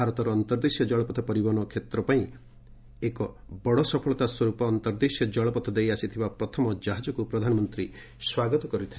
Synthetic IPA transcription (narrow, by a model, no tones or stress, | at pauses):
aɾɔt̪ɔɾɔːnt̪ɔɾd̪isjɔd͡ʒɔɭɔpɔt̪ʰɔpɔɾibɔnɔkʰet̪ɾɔpaĩ | ekɔ | bɔɽɔsɔpʰɔɭɔt̪aswɔɾupɔːnt̪ɔɾd̪isjɔd͡ʒɔɭɔpɔt̪ʰɔd̪ejasit̪ʰibapɾɔt̪ʰɔmɔd͡ʒaɦad͡ʒɔkupɾɔd̪ʱanɔmɔnt̪ɾi | swaɡɔt̪ɔkɔɾit̪ʰi